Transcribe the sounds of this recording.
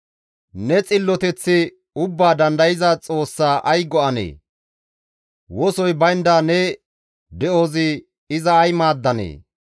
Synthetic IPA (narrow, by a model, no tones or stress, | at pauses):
nɛt͡sʼɪlːɔt̪ɛt͡sːɪ | ʊbːaːd̪ɐnd̪ɐjɪzɐt͡sʼo̞ːsːaːʔɐjɡɔɐnḛː | wɔsɔjbɐjnd̪aːnɛ | d̪ɛʔoːzɪ | ɪzɐːjmaːd̪ːɐnḛː